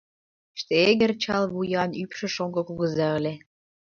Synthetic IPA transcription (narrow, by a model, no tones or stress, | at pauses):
ʃt̪eeɣərt͡ɕɑlβujɑnypʃə̆ʃoŋɡokuɣə̆zɑə̆lʲe